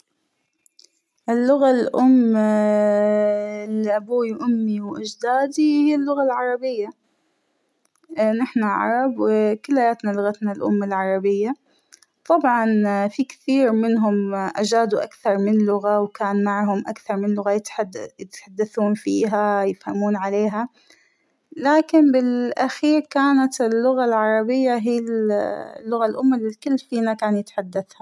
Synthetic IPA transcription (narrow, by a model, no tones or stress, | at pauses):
ʔɪlːʊɣalʔʊmː | liʔabuːiwʔʊmːiwʔad͡ʒd̪aːd̪ihalːʊɣalʕɑɾˤɑbɪjːa | nɪħnaʕɑ̰ɾˤɑbwɪkɪlːhajaːt̪nalʊɣat̪nalʔʊ̰mːalʕɑɾˤɑbɪjːa | t̪ˤɑbʕɑnfikθiːɾmɪnɦʊmʔad͡ʒaːd̪uʔakθɑɾˤmɪnlʊɣawkaːnmaʕɦʊmʔakθɑɾˤmɪnlʊɣajɪt̪ːjɪt̪ħad̪ːaθuːnfiːɦajɪfhamuːnʕaleːɦa | laːkɪnbɪlʔaxiːɾkaːnat̪ɪlːʊɣalʕɑɾˤɑbɪjːaɦiː | lːʊɣalʔʊmːalikɪlːfiːnakaːnjɪt̪ħad̪ːaθha